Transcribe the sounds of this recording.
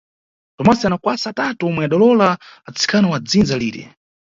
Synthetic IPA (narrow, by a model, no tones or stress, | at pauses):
tɔmasianakwasaːtatuɔmwɛaɗalɔlaːt͡si̥kʰanawad͡zind͡zalḭːɾɛ̰